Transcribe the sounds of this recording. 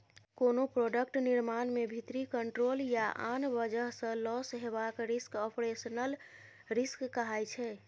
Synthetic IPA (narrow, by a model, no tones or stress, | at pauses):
konopɾoɖək̚ʈniɾmanmebʱit̪ɾikəɳʈɾoljaʔanbəd͡ʒəɦsə̃lɔsɦebakɾiskɔpɾesənəl | ɾiskːəɦajt͡ʃʰɛ